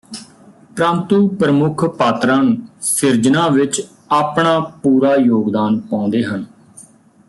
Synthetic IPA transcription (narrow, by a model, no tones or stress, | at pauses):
pɾãːnt̪uːpɾəmʊkʰpaːt̪ɾãːnusɪɾd͡ʒnãːʋɪt͡ʃ | aːpɳaːpuːɾaːjoːɡd̪aːnpãːʊ̃nd̪eːɦən